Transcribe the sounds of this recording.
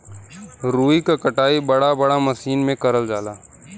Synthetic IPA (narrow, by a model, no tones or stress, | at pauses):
ɾuːikakɐʈaːibɐɽabɐɽamɐsiːnmẽkɐɾəld͡ʒaːlaː